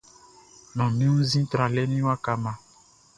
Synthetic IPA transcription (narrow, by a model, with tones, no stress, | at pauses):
nɔ̃˨mĩ˦ũ˦zĩ˦t̪ɾã˨lɛ˦mĩ˦wã˦ka˨mã˨